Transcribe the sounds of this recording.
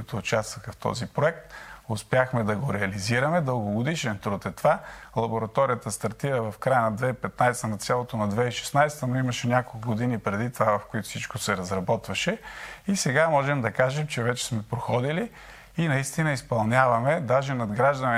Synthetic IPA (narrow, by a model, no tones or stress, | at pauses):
it̪ʊːt͡ʃast̪vɐxɐft̪ɔ̰zipɾoɛk̚t̪ʊspjaxmɛd̪ɐɡoɾɛɐliziɾɐmɛd̪əlˠɡʊɡod̪iʃɛnt̪ɾut̪ɛt̪ovalˠɐboɾɐt̪ɔɾijət̪əst̪ɐɾt̪iɾəvɐfkɾajənɐd̪vɛipɛt̪najst̪ənɐt̪sʲjalˠot̪onɐd̪vɛiʃɛ̥snajsɛ̥t̪ənoimɐʃɛnʲakolˠkʊɡod̪inipɾɛd̪it̪ovavɐfkʊit̪ʊ̥fsit͡ʃkosɛɾɐzɾɐbɔt̪vɐʃɛisɛɡamɔʒɛmd̪ɐkaʒɛmt͡ʃɛvɛt͡ʃɛ̥smɛpɾoxɔd̪iliː | nɐist̪inəispɐlˠnʲavɐmɛd̪aʒɛnɐd̪ɡɾaʒd̪ɐnɛ